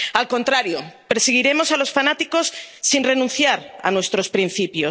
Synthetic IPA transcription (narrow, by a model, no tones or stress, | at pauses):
alko̞nt̪ɾaɾjopeɾseɣ̞iɾe̞mo̞salo̞sfanat̪iko̞sːinre̞nũnθjaɾa̰nwe̞st̪ɾo̞spɾin̟θipjo